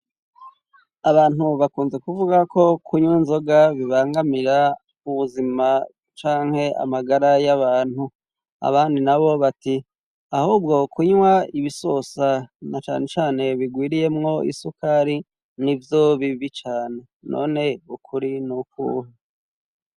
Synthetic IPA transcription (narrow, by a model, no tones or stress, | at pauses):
aβaːnuβakuːnze̞kuvuɡako̞kʰuɲwiːnzo̞ɡaβiβaːŋɡamiɾa | uβuzima | t͡ʃaːŋ̥he̞ʔa̰maɡaɾajaβaːn̥hu | a̰βaːndinaβo̞βati | ahuːb̚ɡo̞kʰuɲwaiβisosanat͡ʃa̰ːne̞t͡ʃaːne̞βiɡwiːɾije̞mŋo̞ḭsukaɾi | nivjoβiβit͡ʃaːne̞ | no̞̰ːne̞ukʰuɾinukṵhe